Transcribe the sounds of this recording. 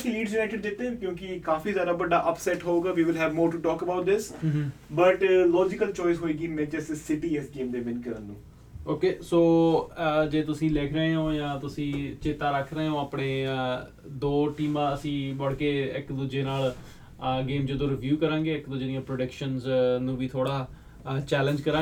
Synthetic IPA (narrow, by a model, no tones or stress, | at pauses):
liːɖzjʊnaːjʈɪɖd͡ʒ̪ɪt̪ːẽːkjõːkɪkaːfiːzjaːd̪aːbəɖaːʔəpsɛːʈɦoːɡaːʋiːʋɪlɦɛːʋmoːɾʈuːʈɔːkəbaʊʈ̚d̪ɪsbəʈlɔːd͡ʒɪkəlt͡ʃɔːɪsɦoːeːɡiːmẽːd͡ʒɛːsesɪʈiːɛsɡeːmd̪eːmɪnkəɾənːṵ̃ː | oːkeːsoː | d͡ʒeːt̪ʊsĩːleːkʰɾeeõːjãːt̪ʊsĩːt͡ʃeːt̪aːɾəkʰɾeeõːaːpɳeː | d̪oːʈiːmãːəsĩːbəɽkeːɪkd̪ʊd͡ʒeːnaːl | ɡeːmd͡ʒəd̪õːɾɪʋjuːkəɾãːŋɡeːɪkd̪ʊd͡ʒeːnijãːpɾoːɖəkʃənznũːʋiːt̪ʰoːɽaː | t͡ʃɛːləɲd͡ʒkəɾãː